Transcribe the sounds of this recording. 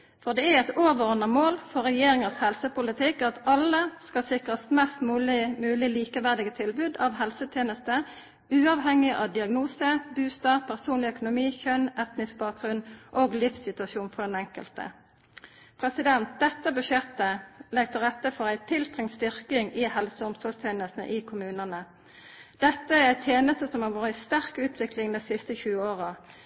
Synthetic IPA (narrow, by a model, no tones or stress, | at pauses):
fɔʁd̪ɛæɛt̪oːʋənəmoːlfɔʁɛjeːɾɪŋəshɛlsəpʊlɪt̪ʰɪkːɑt̪ɑlːəskɑsɪkʁəsmɛst̪mʉːlɪmʉːlɪliːkəʋæʁd̪ɪɡət̪ʰɪlbʉd̪ɑʋɦɛlsət̪ʰjeːnəst̪ə | ʉːɑʋɦɛŋːɪʔɑʋd̪ɪɑɡnuːsəbʉːst̪ɑpʰæʁsuːnlɪœkʊnʊmiːçœnɛt̪nɪs̚bɑːk̚ɡʁʉnʔoːɡlɪfsɪt̪ʉɑʃuːnfɔd̪ɛnɛŋkə̰lt̪ə̰ | pʰʁɛsɪd̪ɛnt̪̚d̪ɛt̪ːəbʉʃjɛt̪ːəlɛɡ̚t̪ʰɪlʁɛt̪ːəfɔʁæɪt̪ʰɪlt̪ʁɪŋst̪ʏʁkɪŋiːhɛlsəʊmsɔlst̪ʰjeːnəst̪nə̰ʔiːkʰʊmʉːnənə | d̪̥ɛt̪ːəæʁæɪt̪ʰjeːnəst̪əsɔmhɑːʋuːʁəɪst̪æʁkʉːt̪ʰʋɪklɪŋd̪ɛɪsɪst̪əçʉːəoːʁə